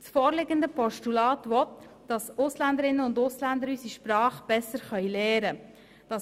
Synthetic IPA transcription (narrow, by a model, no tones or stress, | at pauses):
sfɔːɾlɪɡəndəpɔʃtulɑːtʋɔt̪ | d̥ɑsʊslænd̪əɾɪnːəʊndʊslænd̪əɾysiʃpɾɑːχb̥ɛsəɾχœʏlɛːɾə | d̥ɑ